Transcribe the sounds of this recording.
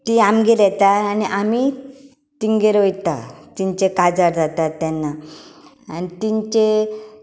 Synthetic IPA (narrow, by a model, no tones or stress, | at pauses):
t̪iamɡeɾɛt̪aaniʔami | t̪iŋɡeɾojt̪a̰t̪iɲt͡ɕekad͡zaɾd͡zat̪at̪ːjanːa | a̰nit̪iɲt͡ɕe